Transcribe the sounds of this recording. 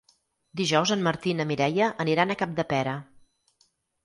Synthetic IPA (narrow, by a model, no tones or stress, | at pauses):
d̪iʒɔwzənməɾt̪inəmiɾɛjəʔəniɾanəkap̚d̪əpɛɾə